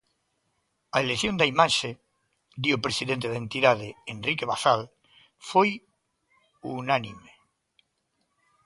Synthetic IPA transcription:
aeleθjond̪aimaʃe | d̪jopɾesiðent̪eðent̪iðaðeenrikeβaθal | foj | unanime

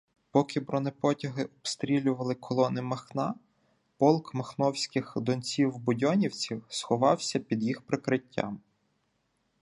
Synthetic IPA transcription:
pɔkɪbɾɔnepɔtʲɐɦɪʔɔbst̪ɾʲilʲʊʋɐlˠɪkʰɔlˠɔnɪmɐxnɑ | pɔlˠkmɐxnɔwsʲkɪxd̪ɔnt͡sʲiwbʊdʲɔnʲiwt͡sʲiwsxɔʋɑwsʲɐpʲid̪jixpɾekɾɪtʲːa̰m

